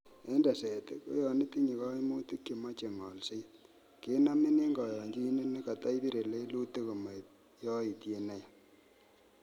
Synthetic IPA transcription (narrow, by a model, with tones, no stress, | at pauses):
e˦nda˨se˨te˦ko̰˦jɔ˨nɪ˦ti˦ɲi˨kɔ˦i˦mo˦ti˦kje˨ma˦t͡ʃe˨ŋɔ˨lse˦ | ke˦na˦mɪ˦ne˦ŋɡɔ˨jɔ˨ŋɡi˦ne˦ne˦ka˨ta˦i˦bi˦ɾe˨le˦lu˦te˦ko˨ma˨ | jɔ˦i˨tje˨na˦ja˨